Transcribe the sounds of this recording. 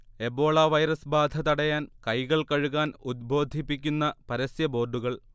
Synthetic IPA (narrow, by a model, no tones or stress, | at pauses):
e̞bo̞ːɭɐʋɐjɾɐsbaːd̪ʱɐt̪ɐɽɐjaːnkɐjɣɐɭkɐɻuɣaːnud̪̚bʱo̞ːd̪ʱipːikʲːunːɐpɐɾɐsjɐbo̞ːrɖuɣɐɭ